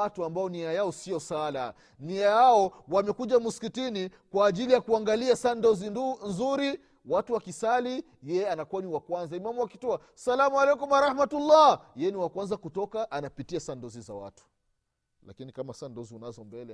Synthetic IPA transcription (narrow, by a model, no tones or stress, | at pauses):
atuambaɔniajaɔsiɔsala̰ | niajaɔwamɛkuʄamuskitini | kwaːʄilijakuaŋɡaliasandɔzinzuɾi | watuwakisali | jɛjɛanakuaniwakwanzaimamuwakitɔa | salamualɛkumaɾahmatulːajɛniwakwanzakutɔkaʔanapitiasandɔziza̰wa̰tu̥ | la̰kinikamasandɔziunazɔmbɛlɛ